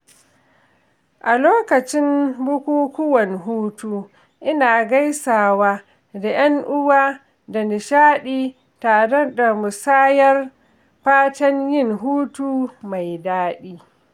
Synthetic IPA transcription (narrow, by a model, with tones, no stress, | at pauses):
ʔa˨loː˦kɐ˨t͡ʃɪ˦mbʊ˦kʷuː˦kʷʊ˦wɐ˨nɦuː˦tuː˦ | ʔɪ˦naː˨ɡa˦jsaː˨waː˦ | da˨j̰ɐ˦ŋʔʊ˦waː˦ | da˨nɪ˨ʃaː˦ɗiː˦ | taː˨ɽɛ˦da˨mʊ˨saː˦jɐ˦r | ɸaː˦tɐ˦ɲjɪ˦˨ŋɦuː˦tuː˦ma˨jdaː˦ɗiː˦